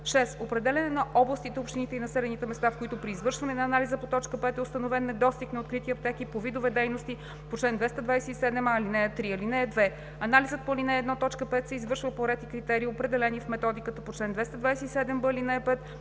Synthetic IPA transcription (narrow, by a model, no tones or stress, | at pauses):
ʃɛsopɾɛd̪ɛlʲɛnɛnɐʔɔblˠəst̪it̪ɛopʃt̪init̪ɛinɐsɛlɛnit̪ɛmɛst̪afkoit̪opɾiːzvɤɾʃvɐnɛnɐːnalizəpot̪ɔt͡ʃkəpɛt̪ɛost̪ɐnovɛnːɛd̪ɔst̪iknɐot̪̚kɾit̪iɐp̚t̪ɛkipovid̪ovɛd̪ɛjnost̪i | pot͡ʃlɛnd̪vɛst̪ɐd̪vajsɛisɛd̪ɛmalinɛət̪ɾiɐlinɛːd̪vɛ | ɐnalizət̪̚polinɛːd̪nɔt̪ɔt͡ʃkəpɛt̪sɛizvɤɾʃvəpoɾɛt̪ikɾit̪ɛɾiːopɾɛd̪ɛlɛnifmɛt̪ɔd̪ikət̪əpot͡ʃlɛnd̪vɛst̪əd̪vajsɛisɛd̪ɛmbəlinɛpɛt̪